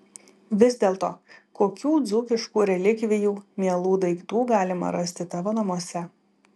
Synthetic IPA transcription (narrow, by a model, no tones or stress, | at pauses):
ʋʲɪzʲd̪ʲeːlˠt̪o̰ːkoːkʲuːd̪zʊkʲɪʃkuːɾʲɛlʲɪkʋʲɪjuːmʲiɛlˠuːd̪ɐɪɡt̪uːɡɑːlʲɪmɐ̰ɾɐsʲt̪ʲɪt̪ɑːʋoːnɐmuɔsʲɛ